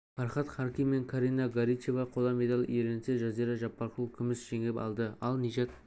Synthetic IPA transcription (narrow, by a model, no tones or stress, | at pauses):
fɑɾχɑt̪χɑɾkʲijme̞ŋkʰaɾijnaɡaɾit͡ʃevɑqʰolˠɑme̞d̪alʲˠḭjeɾenseʒɑzijɾɑʒɑpːɑɾqulˠkʲʰʏmɪsʒ̥eŋepɑ̰lˠd̪əɑlˠnijʒɑt̪